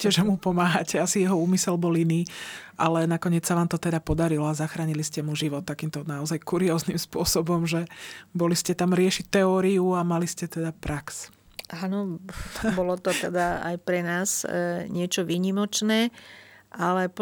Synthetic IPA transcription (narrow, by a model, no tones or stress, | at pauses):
cɛʒɛmupɔmaːɦacɛasijɛɦɔuːmisɛlbɔliniːʔalɛnakɔɲɪɛt͡ssaʋaːmt̪ɔt̪ɛd̪apɔd̪aɾilɔazaxɾaːɲiliscɛmuʒiʋɔt̪̚ːakiːmt̪ɔnaɔzajkuɾiɔːznimspʊɔsɔbɔmʒɛbɔliscɛt̪amɾɪɛʃic̚t̪ɛɔːɾiuamaliscɛt̪ɛd̪apɾʔaks | ʔanɔ | bɔlɔt̪ɔt̪ɛd̪aa̰jpɾɛnaːzɲɪɛt͡ʃɔʋiːɲimɔt͡ʃnɛːʔalɛ